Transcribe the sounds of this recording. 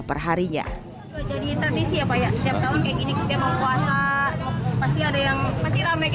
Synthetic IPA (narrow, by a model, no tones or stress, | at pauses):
pərɦaɾiɲa̰ | t̪ud͡ʒadit̪ɾadisiapajaʔsət̪iap̚t̪aʊnkajakinikit̪aməŋpuasa | past̪iadajaŋpast̪iɾamak